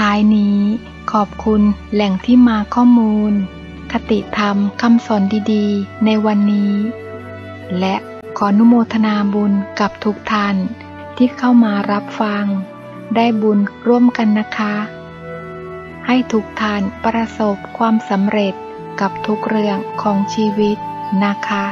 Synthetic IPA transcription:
t̪ʰaː˨˦˥jniː˦˥ | kʰɔː˨˩p̚kʰu˧nlɛ˨˩ŋt̪ʰiː˥˩maː˧kʰɔː˥˩muː˧n | kʰa˧t̪i˨˩t̪ʰa˧mkʰa˧msɔː˩˦ndiː˧diː˧na˧jwa˧nːiː˦˥ | lɛ˦˥ʔ | kʰɔː˩˦nu˦˧˥moː˧t̪ʰa˧naː˧bu˧nka˨˩p̚t̪ʰu˦˥k̚t̪ʰa˧˩n | t̪ʰiː˥˩kʰa˥˩wmaː˧ɾa˦˥p̚fa˧ŋ | daː˥˩jbu˧nɾu˧˥˩əmka˧nːa˦˥kʰa˦˥ | ha˥˩jt̪ʰu˦˥k̚t̪ʰa˧˥˩npɾa˧so˨˩p̚kʰwaː˧msa˩˦mɾe˨˩t̪̚ | ka˨˩p̚t̪ʰu˦˥k̚ɾɯ˧əŋkʰɔː˩˦ŋt͡ɕʰiː˧wi˦˥t̪̚na˦˥kʰa˦˥

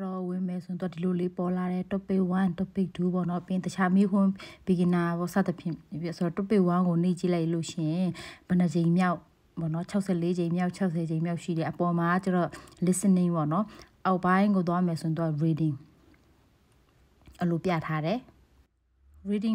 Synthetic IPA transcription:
ɹɔ˨wɪ̃˨mɛ˨sõ˨t̪wa˨di˨lo˨le˦pɔ˨la˨ɾɛ˨tʊ˦pːe˦˨wã˦tʊ˦pːe˦˨du˦bɔ̰˦˨nɔ˦ʔpɪ̃˦˨t̪ə˨t͡ɕʰa˦mi˦kʰwʊ̃˦˨b̥i˨ɡɪ˨na˨bɔ˦˨sa̰˦˨d̪ə˨pʰjɪ̰̃˦˨so˨ɔ˦˨tʊ˦˨pːe˦˨wã˦ŋɡo˨nḛ˦˨t͡ɕi˦la˦ɪʔlo˦˨ʃɪ̰̃˦˨ɪ̃ɪ̃˨b̥ə˨nə˨d͡ʑẽ˨ɪ̃mmja˦ʊʔ | bɔ̰˦˨nɔ˦t͡ɕʰa˦ʊʔsʰɛ̰˦˨le˦d͡ʑẽ˨ɪ̃mja˦ʊʔt͡ɕʰa˦ʊʔsʰɛ˨d͡ʑẽ˨ɪ̃mja˦ʊʔʃḭ˦˨ɾɛ˨ʔəpɔ˨ma˨a˦˨t͡ɕa˦˨ɔ˦˨lɪ˦sɪ̃˦˨nɪ̃˨bɔ̰˦˨nɔ˦ʔa˦ʊʔpã˦ɪ̃ŋɡo˨t̪̬wa˦mɛ˨sõ˨wa˦˨ɹi˨dɪ̃˨ŋ | ʔə˨lo˨pja̰˦˨tʰa˦ɾɛ˨ | ɹi˨dɪ̃˨ŋ

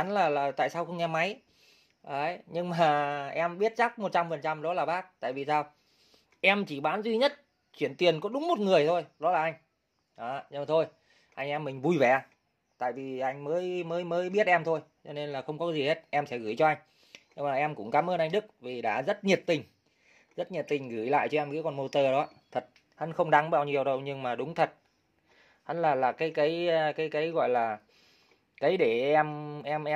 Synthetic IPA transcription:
nlaː˨˩laː˨˩t̪a̰ː˧˨jsaː˧wxə˧wŋ͡mʔɛ˧mːa˨˦j | ʔəː˨˦jɲɨ˧ŋmaː˨˩ʔɛ˧mɓi˦˥ət̚t͡ɕa˦˥k̚mo˨˩t̚t͡ɕa˧mfə˨˩nt͡ɕa˧mɗɔ˨˦laː˨˩ɓaː˦˥k̚t̪a̰ː˧˨jvi˨˩saː˧w | ʔɛ˧mt͡ɕi˧˩ɓaː˨˦nzwi˧ɲə˦˥t̚ | t͡ɕwi˧˩ənt̪wi˨˩ənkɔ˨˦ɗʊ˨˦ŋ͡mmo˨˩t̚ŋɨ˨˩əjt̪ʰo˧jɗɔ˨˦laː˨˩ʔa˧jŋ̟ | ʔaː˨˦˧t̪ʰo˧j | ʔa˧jŋ̟ʔɛ˧mːï˨˩ŋ̟vu˧˩jvɛ˨˩ʔa˧ | t̪a̰ː˧˨jvi˨˩ʔa˧jŋ̟məː˨˦jməː˨˦jməː˨˦jɓi˦˥ət̚ʔɛ˧mt̪ʰo˧jt͡ɕɔ˧ne˧nlaː˨˩xə˧wŋ͡mkɔ˨˦˨zi˨˩he˦˥t̚ʔɛ˧msɛ̰˧˥ɣɨː˧˩jt͡ɕɔ˧ʔa˧jŋ̟ | ɲɨ˧maː˨˩ʔɛ˧mkʊ̰˧˥ŋ͡mkaː˨˦mʔəː˧nʔa˧ŋ̟ɗɨ˦˥k̚vi˨˩ɗa̰ː˧˩zə˦˥t̚ɲi˨˩t̚t̪ï˨˩ŋ̟ | zə˦˥t̚ɲə˨˩t̚t̪ï˨˩ŋ̟ɣɨ˧˩jla̰ː˧˨jt͡ɕɔ˧ʔɛ˧mkaː˨˦jkɔ˧˩nmo˧t̪əː˧˩ɗɔ˨˦t̪ʰə˨˩t̚ | hə˨˦nxə˧wŋ͡mɗa˨˦ŋɓaː˧˩wɲi˨˩əwɗə˧wɲɨ˧ŋmaː˨˩ɗʊ˨˦ŋ͡mt̪ʰə˨˩t̚ | ha˨˦nlaː˨˩laː˨˩kaː˨˦jkə˨˦jkaː˨˦jkaː˨˦jɣɔ̰˧˨jlaː˨˩ | kə˨˦jɗe˧˩ɛ˧mʔɛ˧mʔɛ˧

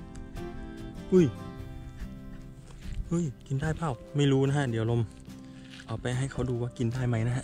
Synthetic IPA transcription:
ʔɯ˧˥˩j | ʔɯː˧˥˩jki˧ndaː˥˩jpʰa˥˩wma˥˩jɾuː˦˥na˦˥kʰa˧˥˩di˩˦wlo˧m | ʔɔː˨˩k̚pa˧jɦa˥˩jkʰa˦˥wduː˧waː˥˩ki˧ndaː˥˩jma˦˥jna˦˥ɦʰa˧˥ʔ

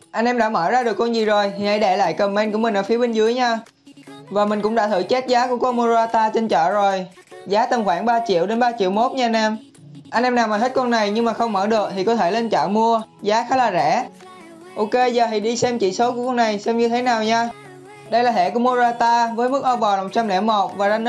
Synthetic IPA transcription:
ʔa˧nʔɛ˧mɗa̰˧˥mə̰ː˧˩zaː˧ɗɨ˨˩əkːɔ˧nzi˨˩zo˨˩jt̪ʰi˨˩a˧˩jɗɛ˧˩la̰ː˧˨jkə˨˩mɛ˧nku˧˩əmi˨˩ʔəː˧˩fi˨˦əɓe˧nzɨ˨˦əjɲaː˧ | vaː˨˩mï˨˩ŋ̟kʊ̰˧˥ŋ͡mɗa̰ː˧˥t̪ʰɨ̰˧˩t͡ɕe˦˥t̚zaː˨˦ku˧˩kɔ˧mu˧zaː˧t̪aː˧t͡ɕe˧nt͡ɕə̰ː˧˨zo˨˩j | zaː˨˦t̪ə˨˩mxwaː˧˩ŋɓaː˧t͡ɕḭ˧˨əwɗe˨˦nɓaː˧t͡ɕḭ˧˨əwmo˦˥t̚ɲa˧a˧nʔɛ˧m | ʔa˧nʔɛ˧mnaː˨˩wmaː˨˩ɦt̚kɔ˧na˨˩jɲɨ˧ŋmaː˨˩xə˧wŋ͡mməː˧˩ɗɨ˨˩ək̚t̪ʰi˨˩kɔ˨˦t̪ʰe˧˩le˧nt͡ɕə̰ː˧˨mu˧əzaː˨˦xaː˨˦laː˨˩zɛ̰˧˩˥ | ʔo˧ke˧zəː˨˩ɦi˨˩ɗi˧sɛ˧mt͡ɕḭ˧˨so˨˦ku˧˩əkɔ˧na˨˩jsɛ˧wŋ͡mɲɨ˧t̪ʰe˨˦naː˨˩wɲaː˧ | ɗə˧jlaː˨˩ɦḛ˧˨ku˧˩əmu˧ə˧aː˧t̪aː˧vəː˨˦jmɨ˦˥k̚ʔɔ˧vɔ˨˩la˨˩˨t̚t͡ɕa˧mlɛ̰˧˥mo˨˩t̚vaː˨˩zaː˧n˦

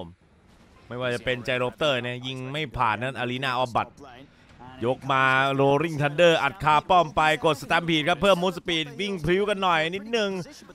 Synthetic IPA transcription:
m | mːa˥˩jwaː˥˩t͡ɕa˨˩pe˧nt͡ɕa˧jɾoː˦˥p̚t̪ɤː˥˩ni˦˥ɐ˨ji˥˩ŋma˥˩jpʰaː˨˩nːa˦˥˩nʔaː˧liː˦˥naː˥˩ʔɔː˧˥ba˨˩t̪̚ | jo˦˥k̚maː˧ɾoː˧ɾi˥˩ŋt̪ʰa˧ndɤː˥˩ʔa˨˩t̪̚kʰaː˧pɔ˥˩mpa˧jko˨˩t̪̚sa˧t̪aː˧mpʰiː˨˩t̪̚kʰa˦˥pʰːɯː˥˩mːuː˦˥sa˧piː˨˩t̪̚wi˥˩ŋpʰɾi˦˥wka˧nːɔ˨˩jni˦˥t̪̚nɯ˨˩ŋ

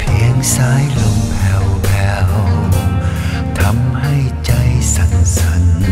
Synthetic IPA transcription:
pʰi˨˦əŋsaː˦˥jlo˧ŋpʰɛ˧wpʰɛː˧w | t̪ʰa˧˥mha˥˩jt͡ɕa˧jsa˨˩˦nsa˨˦n

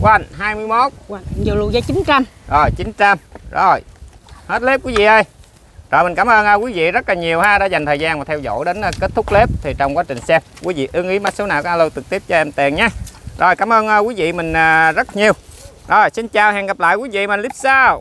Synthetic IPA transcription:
kwa˧˩nɦaː˧jmɨ˧əjmo˦˥t̚i˨˩lṵ˨zaː˨˦t͡ɕi˨˦nt͡ɕa˧mzo˨˩jt͡ɕi˨˦nt͡ɕa˧mzo˨˩jhe˦˥t̚le˦˥p̚kwi˨˦vḭ˧˨ʔə˧j | zo˨˩jmi˨˩ŋkaː˧˦mʔəː˧nʔəː˧kwi˨˦vḭ˧˨zə˦˥t̚laː˨˩ɲi˨˩əwhaː˧ɗa̰ː˧˥za˨˩jŋ̟t̪ʰəː˨˩jzaː˧nmaː˨˩t̪ʰɛ˧wzo̰˧˥jɗe˨˦nː˧ke˦˥t̚t̪ʰʊ˦˥k͡p̚le˦˥p̚t̪ʰi˨˩t͡ɕɔ˧wŋ͡mkwaː˨˦t͡ɕï˨˩ŋ̟sɛ˧˥p̚kwḭ˨˦vḭ˧˨ʔɨ˨˦ŋʔi˨˦ma˦˥t̚so˨˦naː˧˩wkɔ˨˦aː˧lo˧t̪ɨ˨˩k̚t̪i˦˥əp̚t͡ɕɔ˧ʔɛ˧mt̪i˨˩ənɲaː˨˧˦zo˨˩jkaː˧˩˦mʔəː˧nʔəː˧kwi˨˦vḭ˧˨mï˨˩ŋ̟ʔəː˨˩zə˦˥t̚ɲi˨˩əw | zo˨˩jsi˧nt͡ɕaː˨˩whɛ̰ː˧˨ŋɣa˨˩p̚la̰ː˧˨kwi˨˦vḭ˧˨m˨˩nli˦˥p̚saː˧w

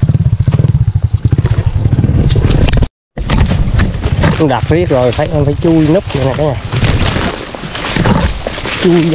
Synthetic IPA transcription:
kʊ˧ɗa˨˩t̚vi˦˥ət̚zo˨˩jfaː˨˧˦jʔɔ˧nfaː˧˩˦jt͡ɕu˧jnɨ˦˥k̚ḭ˧˨naː˨˩kaː˨˦ɲaː˨˩ | t͡ɕu˧

